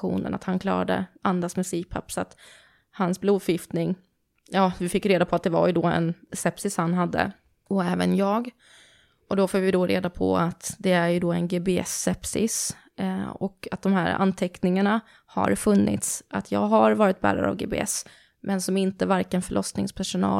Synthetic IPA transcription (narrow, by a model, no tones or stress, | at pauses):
ṵːnə̰na̰t̪hankʰlɑ̰ːɾad̪ə̰ʔand̪asmɛsiːpʰapːsɔat̪ | hansbluːd̪fjɪft̪nɪŋ | jɑːvɪfɪkːɾeːd̪apʰɔat̪̚d̪ɛva̰jɵd̪ɔːɛ̰nsɛpsɪshanɦad̪ːə̰ | ɔɛːvənjɑːɡ | ʔɔd̪ɔfoːvɪd̪ɔɾeːd̪apʰɔ̰at̪d̪ɛæɾjɵd̪ɔːɛnɡeːbeɛ̰sːɛpsɪs | ɔkat̪̚d̪ɔmhæːɾa̰nt̪ʰɛknɪŋaɳa | ha̰ɾfɵnːɪ̰t̪sʔat̪ʰjɑ̰ːɡɦaɾvɑːɾɪt̪̚bæ̰ːɾa̰ɾa̰vɡḛːbḛːɛ̰s | mɛnsɔmɪnt̪əvaɾkənfœɭʔɔsnɪŋspʰæʂʊnɑ̰ː